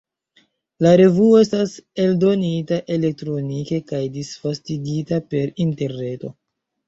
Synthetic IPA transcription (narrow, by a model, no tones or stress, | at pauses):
laɾe̞vuoe̞stase̞ldo̞nitaʔe̞le̞k̚tɾo̞nike̞kajdisfastiɡitape̞ɾinte̞ɾne̞to̞̰